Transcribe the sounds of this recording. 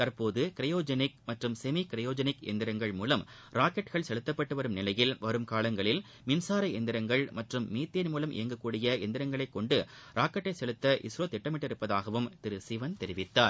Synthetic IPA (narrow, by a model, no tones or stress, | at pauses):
t̪ɐɾpoːðɯkɪɾɐjoːd͡ʒɐnɪk̚mɐʈrɯmsɛmikɪɾɐjoːd͡ʒɐnɪkɛ̰nd̪ɪɾɐŋɡɐɭmuːlɐm | ɾaːkɐʈɣɐɭsɛɭɯt̪ːɐpːɐʈːɯʋɐɾɯmnɪlɐjɪlʋɐɾɯmkaːlɐŋɡɐɭɪl | mɪnsaːɾɐɛnd̪ɪɾɐŋɡɐɭmɐʈrɯmːiːt̪ːenmuːlɐmʔɪ̰jɐŋɡɐkːuːɽɪjɐɛnd̪ɪɾɐŋɡɐɭɐɪkːɔɳɖɯɾaːkɐʈːɐɪsɛɭɯt̪ːɐʔɪ̰sɾoːt̪ɛʈːɐmɪʈːɪɾɯpːɐðaːɣɐʋɯmt̪ɪɾɯsɪʋɐnt̪ɛɾɪʋɪt̪ːaːɾ